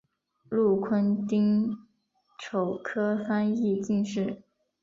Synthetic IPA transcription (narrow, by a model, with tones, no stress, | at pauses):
lu˥˩kʰwə˥nt̪i˥ŋ | ʈ͡ʂʰo˨˩ʊkʰɤ˥fa˥ni˥˧t͡ɕi˥˧ŋʂɻ̩˥˩